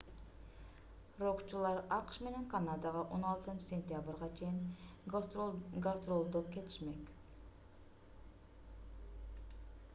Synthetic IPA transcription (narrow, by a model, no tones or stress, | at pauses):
ɾoqt͡ʃulˠɑɾɑqʃme̞ne̞ŋqʰɑnɑd̪ɑʁɑʔo̞nɑlˠt̪ɯnt͡ʃə̥sʲe̞nʲt̪ʲjabɨɾʁɑt͡ʃʰe̞jin | ɡast̪ɾolˠd̪op̚kʲe̞t̪ʰɪ̥ʃme̞k